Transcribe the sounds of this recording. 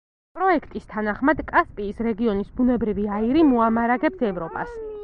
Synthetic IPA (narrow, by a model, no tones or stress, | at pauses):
pʼɾɔɛkʰt̪ʼist̪ʰanaχmad̪kʼaspʼiːsɾɛɡiɔnisbunɛbɾiviaiɾimuamaɾaɡɛpsɛvɾɔpʼas